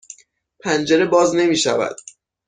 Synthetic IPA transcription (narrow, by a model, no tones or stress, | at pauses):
pʰænd͡ʒeɾe̞bɒːzne̞miːʃævæ̰d̪̥̚